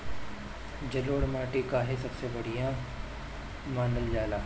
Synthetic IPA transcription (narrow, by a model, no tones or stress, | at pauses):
d͡ʒɐloːɽmaːʈikaːɦesɐbsebɐɽijã | maːnəld͡ʒaːelaː